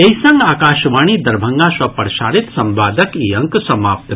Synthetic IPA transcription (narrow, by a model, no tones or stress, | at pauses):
eisɐ̃ŋɡaːkaːʃʋaːɽ̃iːd̪ɐɾbʱɐŋɡaːswɐpɐɾʃaːɾɪt̪sɐmbaːd̪ʱɐkijɐ̃ŋksɐmaːp̚t̪